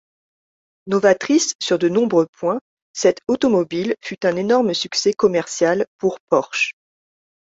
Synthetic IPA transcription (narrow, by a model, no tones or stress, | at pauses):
nɔvat̪χisːyʁd̪ənɔ̃bʁøpwɛ̃ | sɛt̪ot̪ɔmɔbilfyt̪ɛ̃nenɔʁməsyksɛkɔmɛʁsjalpuʁpɔʁʃ